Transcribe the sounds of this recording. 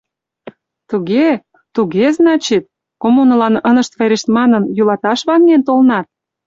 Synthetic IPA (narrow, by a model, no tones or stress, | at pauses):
t̪uɣe | t̪uɣeznɑt͡ɕet̪̚ | komunəlɑnənə̆ʃt̪veɾeʃt̪mɑnənjulɑt̪ɑʃβɑnent̪olnɑt̪̚